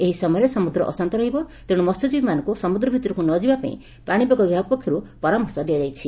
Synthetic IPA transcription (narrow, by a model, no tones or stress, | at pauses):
eɦisɔmɔjɔɾesɔmud̪ɾɔʔɔ̰sant̪ɔɾɔɦibɔt̪eɽ̃umɔst̪ɔd͡ʒibimanɔŋkusɔmud̪ɾɔbʱit̪ɔɾɔkunɔd͡ʒibapa̰ḭ̃ | paɽ̃ibaɡɔbʱiaɡ̚pɔkʰjɔɾupɔɾamɔɾsɔd̪iad͡ʒajt͡ʃʰi